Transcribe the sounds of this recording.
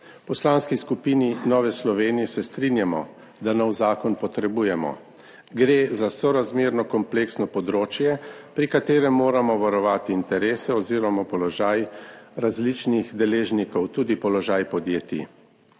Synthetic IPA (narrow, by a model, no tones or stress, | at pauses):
pɔslanskiskupininɔːʋɛslɔʋeːnijɛsɛst̪ɾinjamɔ | d̪anɔwzaːkɔnpɔt̪ɾɛbuːjɛmɔ̰ | ɡɾeːzasɔɾazmeːɾnɔkɔmpleksnɔpɔd̪ɾoːt͡ʃjɛpɾikat̪eːɾɛmːoːɾamɔʋaɾɔʋaːt̪iːnt̪ɛɾeːsɛɔziːɾɔmapɔlɔʒajɾazlit͡ʃnixd̪ɛleːʒnikɔwt̪uːd̪ipɔlɔʒaːjpɔd̪jeːt̪ḭ